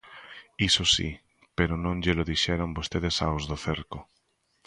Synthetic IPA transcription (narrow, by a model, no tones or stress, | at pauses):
isosḭ | peɾonõŋʎeloðiʃɛɾombost̪eðesaozðoθeɾko